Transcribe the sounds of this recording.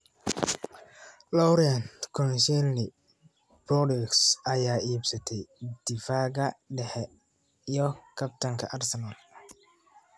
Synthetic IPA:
lɔwɾiɐnkʰɔnʃɛlnɪ | b̥ɔdɪksɐjaːiːbsɐt̪ʰɛjd̪̥ɪfaːɣɐɖɛħɛ | ijɔkʰɐp̚t̪ʰɐŋkʰɐʔɐrsɛnal

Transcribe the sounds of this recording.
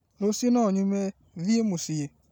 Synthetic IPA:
nosinɔɲume | viemusije

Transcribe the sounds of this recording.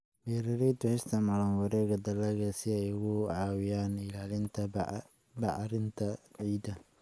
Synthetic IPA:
bɛːɾɐɾɛːt̪ʊhɪst̪ʰɐmɑlɐnwɐɾɛːɣɐd̪ɐlɛɣɐsɪɛjɣʊʕɑːwɪjaːnɪlaːlɪnt̪ʰɐ | bɑʕɾɪnt̪ʰɐʕiːd̪ɐ

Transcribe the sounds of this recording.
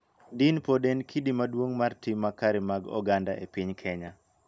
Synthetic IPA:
dinpodɛnkʰidimadwoŋmartimːakaɾɪmaɡɔ̰ɡanda̰ʔepɪɲkʰɛɲa

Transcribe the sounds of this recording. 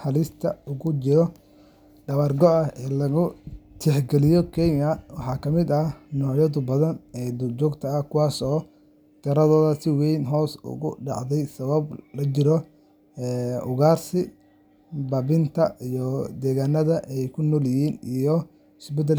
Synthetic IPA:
ħɑlɪst̪ʰɐʊɣʊt͡ʃɪɾɔ | ɖɐβarɡɔɐɛːlɐɣʊt̪ʰɛħɡɛlɪjɔkʰɛjmɐwɑħɑːkʰɐmɪd̪ɐnɔːʕjɐðʊbɐðɐnɛːd̪ʊd͡ʒʊɡt̪ʰɐːhkʰʊwaːsɔː | t̪ʰɐɾɐðɔːðɐsɪwɛjnɦɔːsʊ̰ɣʊ̰ɖɑ̰ʕðɛjsɐβɐblɐt͡ʃɪɾɔ | ɛːʊɣaːrsɪ | bɐbɪnt̪ʰɐijɔd̪ɛːɣaːnɐðɐʔɛjkʰʊnɔːljɪhiːnijɔ | ɪsbɛt̪̬ɛl

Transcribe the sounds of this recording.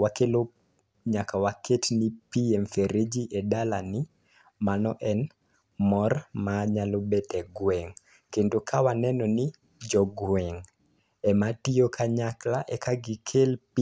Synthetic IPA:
wakelo | ɲakawaketnipiɛmfeɾed͡ʒiʔedalanɪ | manɔʔɛn | mɔrmaɲalobetɛɡwɛŋ | kendokʰawanɛnɔni | d͡ʒɔɡwɛŋ | ɛmatiokʰaɲaklaʔɛkʰaɡikʰelp

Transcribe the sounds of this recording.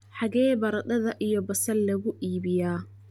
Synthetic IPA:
ħɑɣɛːbɐɾɐd̪ɐðɐʔijɔbɐsɐllɐɣʊʔiːβɪjaː

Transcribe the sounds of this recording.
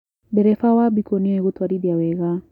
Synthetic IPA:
bɛɾɛfawabikɔniɔɛɣut̪waɾibiawɛɣa

